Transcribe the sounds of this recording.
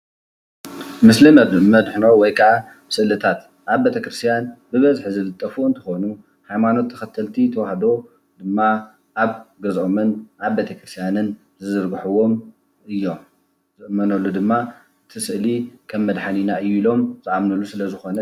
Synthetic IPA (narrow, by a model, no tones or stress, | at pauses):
mɨslimɐdmɐd̪ħnowɔjkʰɐʔa | sɨlɨt̪ʰat̪ | ʔaβbet̪ʰɐkɾɨst̪ʰijanbɨβɐzħzɨlɨt̪ʼːɐfuɨnt̪ʰɨxo̞nu | hajmano̞t̪ʰːɐ̥xɐt̪ʰːɐlt̪ʰit̪ʰɐwahd̪o̞ | d̪ɨmːa | ʔaβɡɐzʔomɨnʔaβbet̪ʰɐkɾɨst̪ʰjanɨn | zɨzɨɾɡħuwo̞m | ʔɨjːo̞m | zɨʔmːɐnɐlːud̪ɨmːa | ɨt̪ʰɨsɨʔlikʰɐmːɐd̪ħaninaɨjːuilo̞mzɨʔamnɐlːusɨlɐzɨxo̞nɐ